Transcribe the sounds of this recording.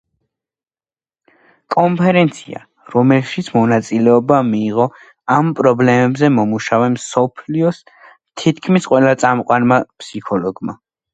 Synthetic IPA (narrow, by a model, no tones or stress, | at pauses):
kʼɔmpʰɛɾɛnt̪sʰḭa̰ | ɾɔmɛlʃit̪sʰmɔnat̪sʼilɛɔbamiːʁɔ | ampʼɾɔblɛmɛbzɛmɔmuʃavɛmsɔpʰliɔs | t̪ʰit̪ʰkʰmisqʼwɛlat̪sʼamqʼwanmapʰsikʰɔlɔɡma